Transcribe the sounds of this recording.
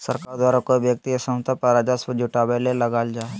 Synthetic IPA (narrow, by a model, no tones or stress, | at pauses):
sɐɾkaːɾd̪waːɾakobjək̚t̪iɐsə̃mt̪apɐɾad͡ʒasəd͡ʒʊʈaːbelelɐɡaːld͡ʒaː